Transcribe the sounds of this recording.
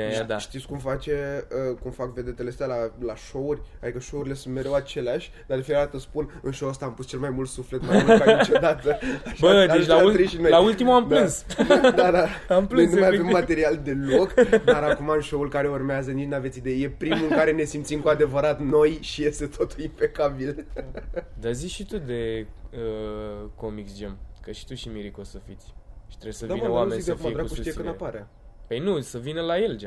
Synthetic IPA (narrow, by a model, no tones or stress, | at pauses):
d̪aʃt̪it̪sʲkumfat͡ʃe̞əkumfakve̞d̪e̞t̪e̞leəst̪ʲalalaʃo̞urʲad̪ikəʃo̞uɾile̞sunt̪me̞ɾʲewat͡ʃe̞leaʃʲ | d̪ard̪efineɾat̪əspunɨnʃowəst̪aːmpust͡ʃe̞lmajmult̪sufle̞t̪majmulkait͡ʃod̪at̪əaʃbəd̪et͡ʃlauiʃinojlault̪imuampd̪lɨnsd̪ad̪aamnplɨojnumajavemːat̪e̞ɾiald̪e̞lo̞kd̪aɾakumaɨnʃo̞ulkaɾe̞urmeazənit͡ʃnavet̪sid̪e̞jeje̞pɾimuɨŋkaɾe̞ne̞simt̪simkoad̪e̞vəɾat̪no̞jʃije̞st̪e̞t̪ʰo̞t̪ulimpe̞kabil | d̪azikʃit̪ud̪e̞əkomiksd͡ʒemkəʃi̥t̪uʃimiɾikosəfit̪sʲʃi̥t̪ɾesəvd̪aimaɾausid̪afaɾakuʃijekənapaɾa | pəjnusəvinəlaje̞ld͡ʒe